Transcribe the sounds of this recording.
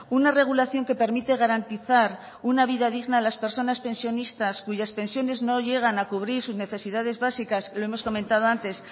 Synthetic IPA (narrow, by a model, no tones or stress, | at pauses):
unare̞ɣ̞ulaθjo̞ŋke̞pe̞ɾmit̪e̞ɣaɾant̪iθaɾ | unaβ̞iðaðiɣnaːlaspe̞ɾso̞naspẽ̞nsjo̞nist̪askuʝaspe̞nsjo̞ne̞zno̞ʎe̞ɣ̞anakuβ̞ɾiɾsuzne̞θe̞siðaðe̞zβasikaslo̞e̞mo̞sko̞mẽ̞nt̪að̞oant̪e̞s